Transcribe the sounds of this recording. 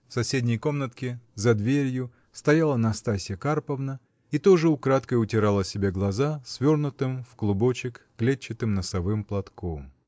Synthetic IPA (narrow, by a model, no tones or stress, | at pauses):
fsɐsʲedʲnʲɪjko̞mnət̪kʲɪzɐd̪vʲeɾʲjʊ | st̪ɐjalˠənɐst̪asʲɪjəkarpəvnə | it̪oʐɨʊkɾat̪kəjʊtʲɪɾalˠəsʲɪbʲeɡlˠɐzasvʲo̞rnʊt̪ɨmfklˠʊbo̞t͡ɕɪkːlʲet͡ɕːɪt̪ɨmnəsɐvɨmplˠɐt̪kom